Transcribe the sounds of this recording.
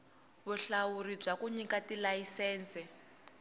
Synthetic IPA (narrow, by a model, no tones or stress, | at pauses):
βuɬawuɾib͡ʐakuɲikatilajisɛːnt͡sɛ